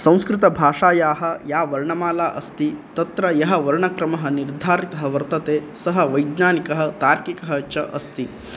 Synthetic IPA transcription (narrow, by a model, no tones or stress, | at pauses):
sɐ̃w̃skɾɪt̪ɐbʱaːʂaːjaːɦɐjaːʋɐɾɳɐmaːlaːʔɐst̪it̪ɐt̪ɾɐjɐɦɐʋɐɾɳɐkɾɐmɐɦɐniɾd̪ʱaːɾit̪ɐɦɐʋɐɾt̪ɐt̪eːsɐɦɐʋɐjd̪naːnikɐɦɐt̪aːɾkikɐɦɐt͡ʃɐʔɐst̪i